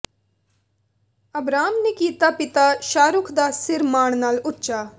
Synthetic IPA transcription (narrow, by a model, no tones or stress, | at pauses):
ɐbɾaːmnekiːt̪apɪt̪aʃaːɾʊkʰd̪aːsɪɾmaːɳ̃naːlʊtːʃaː